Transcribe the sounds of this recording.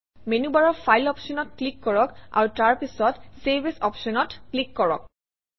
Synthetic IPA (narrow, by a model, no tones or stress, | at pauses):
menubaɹɔpʰajlɔpʃɔnɔtklikːɔɹɔka̰ɹutaɹpisɔtsebʱesɔpʃɔnɔtklikːɔɹɔ̰k̚